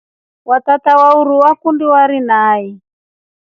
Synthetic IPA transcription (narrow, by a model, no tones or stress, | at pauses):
wat̪atawauɾuwakundiwaɾinaːi